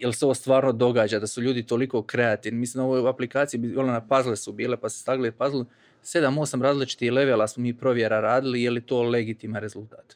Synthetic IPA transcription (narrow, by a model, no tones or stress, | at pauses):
je̞lˠseo̞ʋo̞st̪ʋaːɾno̞d̪o̞ɡaːd͡ʒad̪asuʎuːd̪it̪o̞liko̞kɾe̞at̪iːʋnimisimoʋojaplikaːt̪sijibiolenapazlesubiːle̞pasu̥st̪aɡlipazlˠu | se̞d̪amoːsamɾaːzlit͡ʃi̥t̪ixle̞ʋelasmomiːpɾo̞ʋje̞ɾaɾaːd̪ilijelit̪o̞ːle̞ɡit̪iːmanɾe̞zulˠt̪aːt̪